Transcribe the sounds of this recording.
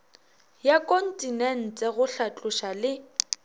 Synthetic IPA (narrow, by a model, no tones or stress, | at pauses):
jakʼɔn̩tʼinɛn̩t͡sʼɛɣʊɬat͡ɬʼʊʃalɪ